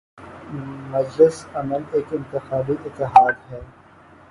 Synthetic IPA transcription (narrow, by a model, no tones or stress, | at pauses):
mɐd͡ʒlɪsɐməleːkɪ̃nt̪ɪxaːbiʔɪt̪ːɪɦaːd̪ɦɛː